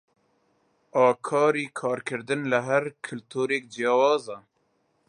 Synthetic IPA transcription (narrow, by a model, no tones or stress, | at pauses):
ɑːkʰɑːɾiːkʰɑːɾkʰɨɾd̪ɨnləɦæɾkʰɨlt̪ʰuːɾeːk̚d͡ʒijɑːwɑːzɑ